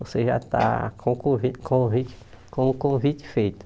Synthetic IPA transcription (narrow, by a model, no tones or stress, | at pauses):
voseʒa̰t̪a̰kʰõkõvikʰõvit͡ʃi̥ | kõukõvit͡ʃ̪ɪ̥fejt̪ʊ̥